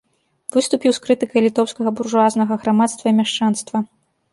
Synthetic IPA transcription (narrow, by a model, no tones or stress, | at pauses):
vɨst̪upʲiwskɾɨt̪ɨkɐjlʲit̪ɔwskɐɣɐburʐuaznɐɣɐɣɾamat̪st̪vɐimʲaʂt͡ʂanst̪vɐ